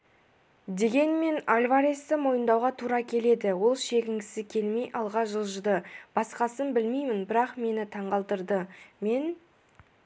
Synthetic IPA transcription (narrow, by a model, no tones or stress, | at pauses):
d̪e̞ɡʲe̞nme̞nalʲvaɾest̪əmo̞jənd̪ɑwʁɑt̪ʰuɾɑkʲʰe̞le̞d̪ɪwo̞lˠʃe̞kʲɪŋɡʲɪsɪkʲʰe̞lme̞jʔɑlˠʁɑʒəlˠʒəd̪əb̥ɑsqɑsənbɪlmejmɪnbɪɾɑqme̞nɪt̪ʰɑɴʁɑlˠt̪əɾd̪əme̞n